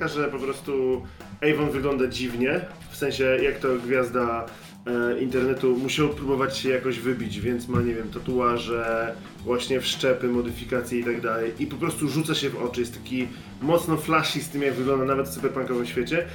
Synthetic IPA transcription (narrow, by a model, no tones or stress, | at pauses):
akaʐɛpɔpɾɔst̪u | ɛjvɔnvɘɡlɔnd̪ad͡ʑivɲɛ | fsɛ̃ɲ̃ɕɛjakt̪ɔɡvʲjazd̪a | int̪ɛɾnɛt̪umuɕawpɾubɔvat͡ɕɕɛjakɔʑvɘbʲid͡ʑvʲjɛnt̪smaɲevʲjɛmt̪at̪uwaʐɛ | vwaɕɲɛfʂt͡ʂɛpɘmɔd̪ɘfʲikat̪sʲjɛit̪aɡd̪alɛjʔipɔpɾɔst̪uʐut̪saɕɛvɔt͡ʂɨjɛst̪t̪ːḁkʲi | mɔt̪snɔflaʂist̪ɘmjaɡvɘɡlɔnd̪anavɛt̪fsupɛɾpaŋkɔvɘmɕfʲet͡ɕɛ